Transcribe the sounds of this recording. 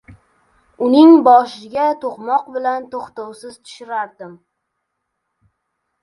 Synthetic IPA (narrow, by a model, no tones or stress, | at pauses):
ʊnɪŋbɒʃɪɡʲat̪ʰoqmɒqbɪlant̪ʰoχt̪owsɪzt̪ʰʊ̥ʃɪɾaɾd̪ɪm